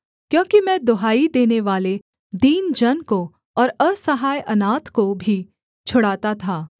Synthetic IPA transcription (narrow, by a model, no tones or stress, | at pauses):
kjõːkimɛ̃ːd̪oɦaːid̪eːneʋaːle | d̪iːnd͡ʒɐnko | ɔːɾɐsɐɦaːjʔɐnaːt̪kobʱi | t͡ʃʰʊɽaːt̪at̪ʰaː